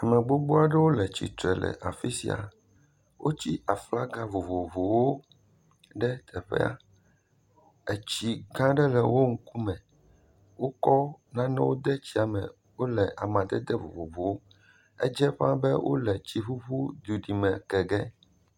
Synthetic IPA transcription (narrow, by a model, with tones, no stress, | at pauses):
a˨mɛ̃˨ɡ͡bo˦ɡ͡bo˦a˨ɖɛ˦wo˦lɛ˨t͡ɕḭ˨t̪ɾɛ˨lɛ̰˨ʔa˨fi˦sḭ˨a̰˨ | wʔo˦t͡ɕi˦ʔa˨fla˦ɡã˦vo˨vo˨vo˨wo˦ | ɖɛ˦t̪ʰɛ˨ɸɛ̰˦a̰˨ | e˨t͡ɕi˨ɡã˦ɖɛ˦lɛ˨wo˦ŋ̩˦ku˦mɛ̃˨ | wo˦kɔ˦nã˦nɛ̃˦wo˦d̪ɛ˦t͡ɕi˦a˨mɛ̃˨ | wo˦lɛ˨ʔa˨mã˨d̪ɛ˦d̪ɛ˦vo̰˨vo˨vo˨wo˦ | ɛ˦d͡ʒɛ˦ɸã˦bɛ˦wʔo̰˦lɛ˨t͡ɕi˨ɸu˦ɸu˦d̪u˨ɖi˨mɛ̃˨kɛ˨ɡɛ˦